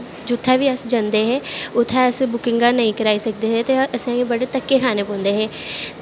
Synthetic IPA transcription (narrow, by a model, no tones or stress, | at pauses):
d͡ʒʊt̪ʰːɛːʋiːəsd͡ʒãːnd̪eːɦɛːʊt̪ʰːɛəsbʊkɪ̃ŋɡaːnəĩːkəɾaːiːsək̚d̪eːɦeːt̪eːəsãːɡebəɽeːt̪əkːeːkʰaːneːpɔ̃ːnd̪eːɦɛː